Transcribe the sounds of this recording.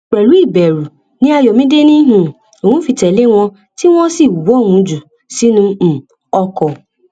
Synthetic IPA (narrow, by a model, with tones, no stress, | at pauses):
ɾɛ˨lu˦i˦˨bɛ˨ɾu˨ | nĩ˦a˨jɔ˨mĩ˦de˦nĩ˦ɦũ˨ | o˨wũ˦fi˨tɛ˨le˦w̃ɔ̃˦ | tɪ˦w̃ʷɔ̃˦si˦˨wu˨bɔ˦˨ŋʷũ˨˦d͡ʒu˨ | si˦nʊ̃˦˨ | ɔ˦kɔ˨